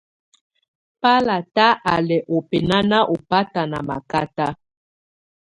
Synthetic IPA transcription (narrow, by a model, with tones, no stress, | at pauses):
pa˦la˨ta˦ʔa˨lɛ˨ʔo˨pɛ˨na˦na˦ʔo˨pa˦ta˨na̰˨ma̰˨ka˦ta˦